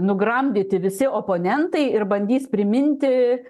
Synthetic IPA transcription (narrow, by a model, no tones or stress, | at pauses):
nʊɡɾɐmʲd̪ʲɪt̪ʲɪʋʲɪsʲɪoːpoːnʲɛnt̪ɐɪɪrbɐnʲd̪ʲiːspʲɾʲɪmʲɪnʲt̪ʲɪ